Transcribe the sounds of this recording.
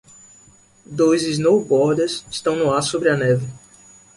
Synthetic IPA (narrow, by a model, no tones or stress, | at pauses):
d̪ojzɪznowbɔɾd̪ɐsɪʃt̪ɐ̃w̃nʊaɾsobɾɪɐnɛvɪ